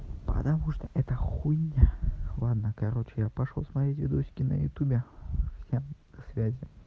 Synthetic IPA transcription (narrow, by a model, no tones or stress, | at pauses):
pə̰t̪ɐmuʂt̪əʔɛt̪əxunʲːəlˠad̪nəkɐɾo̞t͡ɕɪjapɐʂlˠo̰smɐjetʲvʲɪd̪oɕʲkʲɪnə̰jʊ̰t̪ʲubʲɪfsʲem | svʲæzʲɪ